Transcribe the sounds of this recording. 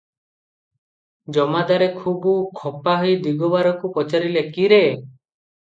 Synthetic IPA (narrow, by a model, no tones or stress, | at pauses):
d͡ʒɔmad̪aɾekʰubukʰɔpaɦɔjd̪iɡɔbaɾɔkupɔt͡ʃaɾilekiɾe